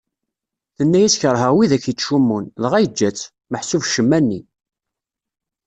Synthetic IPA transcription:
θənːæjæsçəɾˤɦəʁwiðæçjəʃumːunðʁæjəd͡ʒːæt͡sː | məħsuvʃəmːænːi

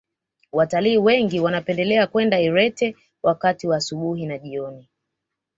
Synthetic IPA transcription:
wataliːwɛŋɡiwanapɛndɛlɛakwɛndaiɾɛtɛ | wʔakatiwaːsuɓuɦinaʄiɔni

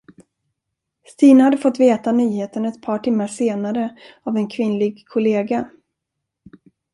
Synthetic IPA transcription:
st̪iːnhad̪ːəfɔt̪ːveːt̪anyːheːt̪ənɛt̪pʰɑːʈʰɪmːaʂeːnaɾəavɛnkʰvɪnlɪɡkʰʊleːɡa

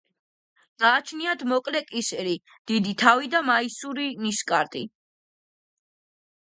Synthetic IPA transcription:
ɡ̥aːt͡ʃʰniad̪mɔkʼlɛkʼisɾi | d̪̥id̪it̪ʰavid̪amaisuɾiniskʼaɾt̪ʼḭ

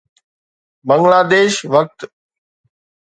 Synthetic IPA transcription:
bə̃ŋɡlaːd̪eːʃʋək̚t̪

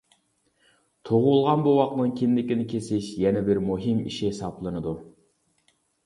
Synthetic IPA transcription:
t̪ʰoʁulˠʁɑnbuwɑq̚nɨŋkʲʰind̪ɪkʲinɪkʲʰesɪʃjɛnɛbɪɾmuɦimḭʃiɦesɑplˠɨnɨd̪u

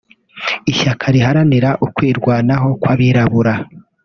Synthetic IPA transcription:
iʃakʰaɾiɦaɾaniɾaʔukwiːɾɡwaːnaɦo̞kwaβiɾaβuɾa

